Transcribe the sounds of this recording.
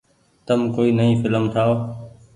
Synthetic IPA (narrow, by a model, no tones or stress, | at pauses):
t̪əmkoːiːnəɦĩːfɪləmt̪ʰaːo